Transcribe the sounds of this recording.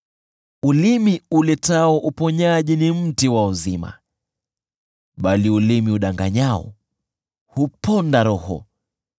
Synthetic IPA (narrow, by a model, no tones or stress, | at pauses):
ulimiulɛtaɔʔupɔɲaʄinim̩tiwauzima̰ | ɓaliulimiuɗaŋɡa̰ɲaɔ̰ | hupɔndaɾɔhɔ̰